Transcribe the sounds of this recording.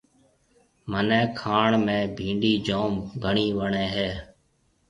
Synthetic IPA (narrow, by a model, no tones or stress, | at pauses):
mənẽːkʰaːɳmẽːbʱĩːɳɖiːd͡ʒoːmɡʱəɳiːʋəɳẽːɦeː